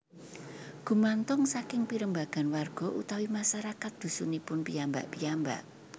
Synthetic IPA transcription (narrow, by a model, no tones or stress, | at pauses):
ɡ̥ṳmant̪ɔŋsakɪŋpiɾəmbaɡ̥a̤nwarɡ̥ɔ̤ʔṵt̪awimaʃaɾakat̪̚d̪̥ṳsunipʊnpiamba̰ʔpiamba̰ʔ